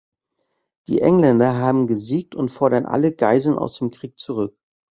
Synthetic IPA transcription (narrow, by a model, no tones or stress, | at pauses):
d̥ḭːʔɛŋlɛndɐɦaːbm̩ɡəziːk̚tʰʊntfɔɐɾɐnʔa̰ləɡa̰ɪzl̩nʔa̰ʊsd̥eːmkʁ̥iːk̚t͡suʁ̞ʏk